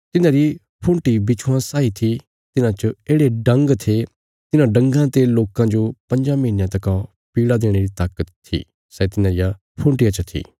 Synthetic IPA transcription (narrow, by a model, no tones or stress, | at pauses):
t̪ɪnãːɾi | pʰũɳʈibɪt͡ʃʰuwãsaːit̪ʰi | t̪ɪnãt͡ʃəeːɽeɖɐ̃ŋɡt̪ʰe | t̪ɪnãɖɐ̃ŋɡãt̪eloːkãd͡ʒopɐ̃ɲd͡ʒãmɐinjãt̪ɐkã | piːɽad̪eːɽ̃eɾit̪aːkət̪ʰːḭː | sɛt̪ɪnãɾɪja | pʰũːɳʈɪjãt͡ʃət̪ʰḭː